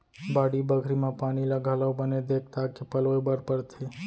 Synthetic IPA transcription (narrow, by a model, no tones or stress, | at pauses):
baɽibəkʰɾimãpaniləɡʱaləʋbəned̪ekʰt̪akepəloebəɾpəɾt̪ʰe